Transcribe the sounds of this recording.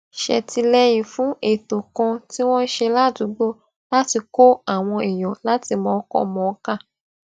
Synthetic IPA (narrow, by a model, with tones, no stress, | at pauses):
ʃɛ̰˨ti˧lɛ˦jĩ˨fũ˨˦e˨to˨kã˧ti˦w̃ɔ̃˦n̩˦ʃe˧la˦˨du˨˦ɡ͡bo˦ | la˦ti˧ko˦a˦˨w̃ɔ̃˧i˨j̃ɔ̃˨la˨˦ti˧mɔ̃˨˦kɔ̰˦mɔ̃˨˦ka˦˨